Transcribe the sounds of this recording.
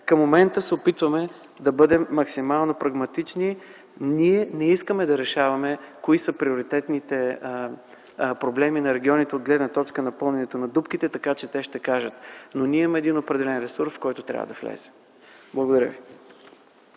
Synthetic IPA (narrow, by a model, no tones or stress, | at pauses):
kəmːomɛnt̪əsɛopit̪vɐmɛ | d̪ɐbɤd̪ɛmːɐksimalˠnopɾɐɡmɐt̪it͡ʃni | niɛnɛiskəmɛd̪ɐɾɛʃavɐmɛkoisəpɾioɾit̪ɛt̪nit̪ɛ | pɾoblɛminɐɾɛɡʲiɔnit̪ɛod̪̚ɡlɛd̪nɐt̪ɔt͡ʃkənɐpɤlˠnɛnɛt̪onɐd̪upk̟it̪ɛt̪ɐkat͡ʃɛt̪ɛʃt̪ɛkaʒət̪noniɛimɐɛd̪inopɾɛd̪ɛlɛnɾɛsuɾsfkɔjt̪ot̪ɾʲa̰və̰d̪ɐflɛ̰z̥ɛ | blˠəɡod̪ɐɾʲjə̰vi